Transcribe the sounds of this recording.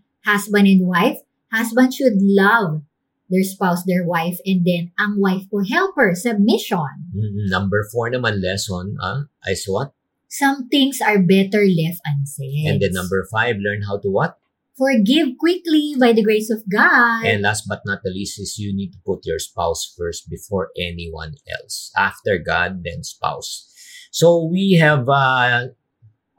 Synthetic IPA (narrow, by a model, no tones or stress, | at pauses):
hasbɐ̃nd̪ɛ̃nd̪̚wajf | hasbɐ̃nd̪ʃʊd̪lɐv | d̪ɛɹspawsd̪ɛɹwajfɛ̃nd̪ɛ̃nɐ̃ŋwajftʊɦɛlpəɹsɐb̚mɪʃɔ̃nm̩m̩nɐ̃mbɛɹfɔɹnɐmãnlɛsɔna̰ʔa̰jswɔt̪̚ | sɐ̃mθɪ̃ŋsɐɹbɛt̪ɛɹlɛft̪ɐ̃nsɛɛ̰̃d̪ɛnːɐ̃mbɛɹfajvlɛɹnɦawt̪uwɔt̪̚ | fɔɹɡɪvkwɪklibajd̪ɐɡɹejsɔvɡɑdɛ̃nd̪last̪̚bɐt̪̚nɐt̪̚d̪ɐlisɪsjunid̚t̪ʊ̥pʊt̪̚jɔɹspawsfɛɹst̪̚bɪfɔɹʔɛniwã̰nɛ̰lsʔaft̪ɛɹɡa̰d̪̚ːɛ̃nspa̰wsː | owiɦɛva